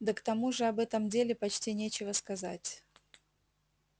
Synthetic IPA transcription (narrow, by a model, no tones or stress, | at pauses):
d̪əkt̪ɐmuʐɨɐbɛt̪əmdʲelʲɪpɐt͡ɕtʲinʲet͡ɕɪvəskɐzatʲ